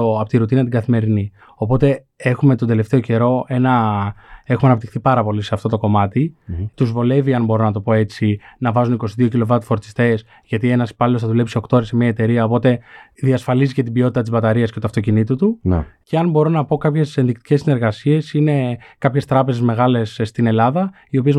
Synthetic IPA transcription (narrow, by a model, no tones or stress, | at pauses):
oɐpot̪iɾut̪inɐt̪iɡɐθime̞ɾini | o̞po̞t̪e̞ | e̞xume̞t̪od̪e̞le̞ft̪e̞o̞ce̞ɾo̞e̞nɐ | e̞xumeɐnɐpt̪ixθipɐɾɐpo̞liseɐft̪o̞t̪o̞ko̞mɐt̪it̪uzvo̞le̞viɐnbo̞ɾo̞nɐt̪o̞po̞e̞t͡sinɐvɐzuniko̞siðio̞cilo̞vɐt̪u̥fo̞ɾt̪i̥st̪e̞s | ʝɐt̪ie̞nɐspɐlilosθɐðule̞psio̞kt̪oɾesemɲɐet̪e̞ɾiɐo̞po̞t̪e̞ | ðiɐsfɐlizice̞t̪ibio̞t̪it̪ɐt̪izbɐt̪ɐɾiɐscet̪uɐft̪o̞cinit̪ut̪un̰ce̞ɐnbo̞ɾo̞nɐpo̞kɐpçe̞se̞nðik̚t̪i̥cesːine̞ɾɣɐsie̞sine̞kɐpçe̞st̪ɾɐpe̞ze̞zme̞ɣɐle̞sːt̪ine̞lɐðɐ | io̞pie̞z